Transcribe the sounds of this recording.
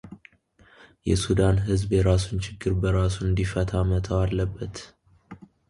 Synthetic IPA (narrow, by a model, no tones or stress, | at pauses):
jɛ̰sud̪anɦɨzbjɛɾasunt͡ʃʰɪɡːɨɾbəɾasunɨnd̪ifət̪ʰamət̪ʰawalːəbːət̪